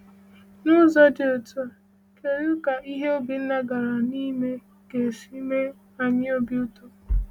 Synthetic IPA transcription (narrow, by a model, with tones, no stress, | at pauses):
nʊ˦zɔ˦dɪ˨o˨tu˦a˨ | ke˨ɾu˦ka˨i˦ɦe˦o˦bi˨n̩˦na˦ɡa˨ɾa˨ni˦me˦ | ɡe˨si˦me˦ | a˨ɲɪ˦o˦bi˦u˦to˨